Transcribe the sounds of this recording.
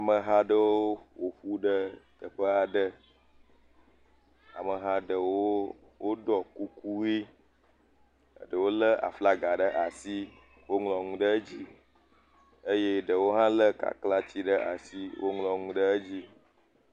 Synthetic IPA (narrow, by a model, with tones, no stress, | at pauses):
a˨mə˨ɦa˦ɖə˦wo˦wo˨ɸu˦ɖə˦t̪ə˨ɸə˦a˨ɖə˦ | a˨mə˨ɦã˦ɖə˨wo˦ | wo˦ɖɔ˨ku˦ku˦wi˦ | ə̰˨ɖə˨wo˦lə˦a̰˨fla˦ɡa˨ɖə˦ʔa˨si˦ | wo˦ŋlɔ̃˨ŋũ˦ɖə˦d͡ʑi˦ | ə˦je˦ɖə˨wo˦ɦã˦lə˦ka̰˨kla˦t͡ɕi˦ɖə˦ʔa̰˨si˦wʔo̰˦ŋlɔ̃˨ŋũ˦ɖə˦ə˦d͡ʑi˦